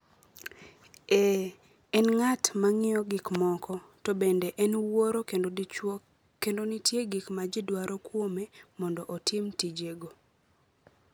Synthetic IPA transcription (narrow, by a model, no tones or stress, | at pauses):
ɛ | ɛnŋatmaŋɪɔɡikmɔkʰɔtɔbendeʔɛnwoɾo | kendonitjeɡikmad͡ʒɪdwaɾɔkwomemɔndɔʔotʰɪmtid͡ʒeɡo